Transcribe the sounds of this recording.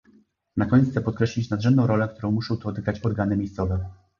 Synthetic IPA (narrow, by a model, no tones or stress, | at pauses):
nakɔɲɛt̪t̪sɛpɔt̪̚kɾɛɕlʲit͡ɕnad̪ʐɛmd̪ɔ̃w̃ɾɔlɛk̚t̪uɾɔ̃w̃muʂɔ̃w̃t̪ɔt̪ɘɡɾat͡ɕɔɾɡanɘmʲejst̪sɔvɛ